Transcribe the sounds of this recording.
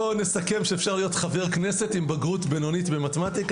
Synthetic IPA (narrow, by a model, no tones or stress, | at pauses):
onesake̞mʃeːfʃaʁlijo̞tχaveʁkne̞se̞timbaɡʁutbeno̞nitbematematik